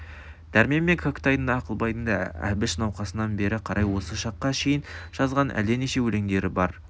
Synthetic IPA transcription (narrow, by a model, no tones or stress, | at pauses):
d̪̥æɾmeme̞kʰokt̪ɑjənd̪ɑːqəlˠbɑjt̪ənd̪ɑæ̰bɪʃnɑwqɑsənɑnbe̞ɾɪqʰɑɾʔɑjwo̞səʃɑqːɑʃe̞jɪnʒ̥ɑzʁɑnʔæ̰ld̪e̞neʃe̞wɵle̞ŋd̪e̞ɾɪbɑɾ